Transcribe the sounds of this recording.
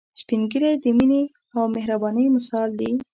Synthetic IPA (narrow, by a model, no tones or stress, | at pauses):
spinɡiɾed̪əmine | awmeɦɾabɑnəjmasɑld̪i